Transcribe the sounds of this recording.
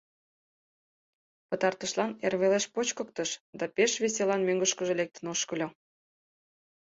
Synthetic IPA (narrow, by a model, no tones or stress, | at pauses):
pət̪ɑrt̪əʃlɑnerβeleʃpot͡ɕkək̚t̪əʃd̪ɑpeʃβesʲelɑnmøŋɡəʃkəʒelek̚t̪ə̆noʃkəlʲo